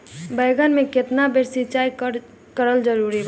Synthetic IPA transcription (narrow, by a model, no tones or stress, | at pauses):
bəɪɡənmeket̪nabeɾsit͡ʃai | kəɾəld͡ʒəɾuɾib